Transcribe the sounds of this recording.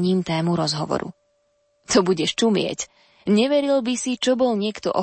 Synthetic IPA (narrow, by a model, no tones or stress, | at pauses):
ɲiːmt̪ɛːmuɾɔzɦɔʋɔ̰ɾṵ | t̪ɔbuɟɛʃt͡ʃumɪɛ̰c | ɲɛʋɛɾilbisit͡ʃɔbɔlɲɪɛkt̪ɔ̰ʔɔ